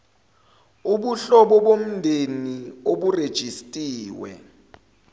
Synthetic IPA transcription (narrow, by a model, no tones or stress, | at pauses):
uɓuɬɔɓɔɓom̩ndʱenioɓured̥ʒ̥ʱistʼiːwɛ̰